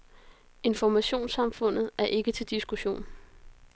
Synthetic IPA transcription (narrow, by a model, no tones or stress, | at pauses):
e̝nfɒmæɕo̝̰ːnsɑ̈mfɔ̽n̰ð̩ˠæɐʔe̝ɡ̥ət͡sʰe̝ld̥isɡ̥uɕo̝̰ːn